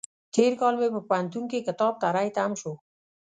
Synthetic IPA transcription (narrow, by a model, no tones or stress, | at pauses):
t̪ʰeɾkɔlmebəpant̪unkekət̪ɔb̚t̪aɾajt̪ʰamʃo